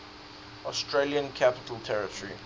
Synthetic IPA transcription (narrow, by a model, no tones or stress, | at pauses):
ʔɔstʰɹeliə̃nkʰapɪ̥tʰəlˠtʰɛɹɪtəɹḭ